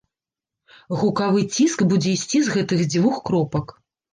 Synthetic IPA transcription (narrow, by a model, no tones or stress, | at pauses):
ɣukavɨt͡sʲiskbud͡zʲɛisʲt͡sʲizɣɛt̪ɨɣd͡zʲvuxkɾɔpɐk